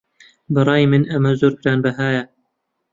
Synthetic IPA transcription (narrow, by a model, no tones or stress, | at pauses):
bɨɾˤɑːimɨnɐmɐzoːɾkɨɾaːnbɐɦaːjɐ